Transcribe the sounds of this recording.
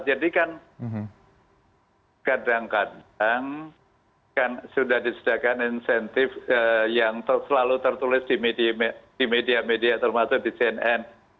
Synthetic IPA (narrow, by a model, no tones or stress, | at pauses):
d͡ʒadikan | kadaŋkadaŋ | kansudahdisədakaninsɛnt̪ɪfəjaŋt̪əsəlalut̪ərt̪ulɪsdimedimd̥imediamediat̪ərmasʊk̚disiɛnɛn